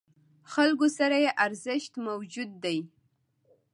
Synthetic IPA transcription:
xalɡosaɾajeʔaɾzəʃt̪mawd͡ʒud̪ːaj

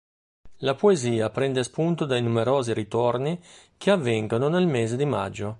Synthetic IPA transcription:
lapoeziːapɾɛnd̪espunt̪od̪ajnumeɾɔːziɾit̪orni | k̟ʰeavːɛŋɡononelmeːzed̪ima̰d͡ʒːo

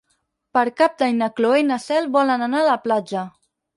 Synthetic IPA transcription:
pəɾkap̚d̪ajnəkloenəsɛlˠβɔlənənaːləplad͡ʒə

